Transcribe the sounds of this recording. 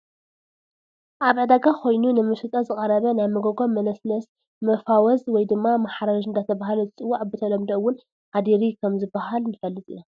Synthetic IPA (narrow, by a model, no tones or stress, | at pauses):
ʔaβʕɨd̪aɡakʰo̞jnunɨmɨʃɨt̪ʼɐzɨkʼɐɾɐβɐnajmɨɡoɡo̞mːɐnɐsnɐs | mɐfawɔzwɔjd̪ɨmːamaħaɾaʒɨnd̪at̪ʰɐβaɦalozɨt͡sʼɨwːaʕbɨt̪ʰɐlɐmd̪oɨwːʊn | ħad̪iɾikʰɐmzɨbːaɦalnɨfɐlːɨt̪ʼɨ̰ja